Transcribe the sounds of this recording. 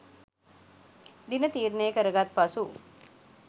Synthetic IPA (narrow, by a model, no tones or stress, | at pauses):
d̪inət̪iːɾnejəkəɾəɡat̪̚pasu